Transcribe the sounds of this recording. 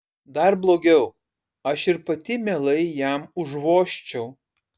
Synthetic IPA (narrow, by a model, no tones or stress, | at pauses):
d̪ɐɾblˠoːɡʲɛʊ | ɐʃɪɾpɐt̪ʲɪmʲelˠɐɪjæˑmʊʒʋoːʃʲt͡ʃʲɛʊ